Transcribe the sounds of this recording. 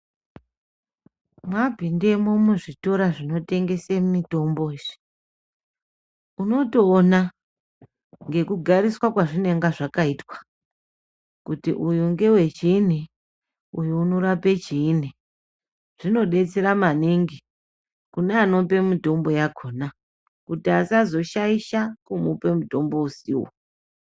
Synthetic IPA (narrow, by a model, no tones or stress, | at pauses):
mabʱinde̞momuʐito̞ɾaʐino̞te̞ŋɡe̞semumito̞mbo̞iʐi̥ | uno̞toːna | ŋɡe̞kuɡʱaɾiswakwaʐine̞ŋɡaʐakaitwḁ | kutḭʔujuŋɡe̞we̞t͡ʃin̤i | ujuːno̞ɾapet͡ʃiːn̤i | ʐ̥ino̞ɗe̞t͡seɾamaniŋɡi | kuneano̞pe̞mito̞mbo̞jaɡʱo̞ːna | kutiasazo̞ʃaiʃakumupe̞muto̞mbo̞usḭwo̰